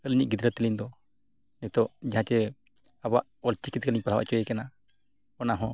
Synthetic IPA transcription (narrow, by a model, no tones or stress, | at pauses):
əlɲiʔ̚ɡid̪ɾət̪ːilind̪ɔ | nɛt̪ɔʔd͡ʒaɦãt͡ʃɛ | abaʔɔlt͡ʃikit̪̚kaliɲpaɾawa̰ʔt͡ʃɔjɛkɛna | ɔnaɦɔ̃